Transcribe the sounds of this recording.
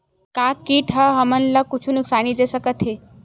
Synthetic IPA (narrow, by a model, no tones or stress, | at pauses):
kakːiʈʰaɦəmənləkʊt͡ʃʰunʊksaːnid͡ʒesəkət̪ʰɦe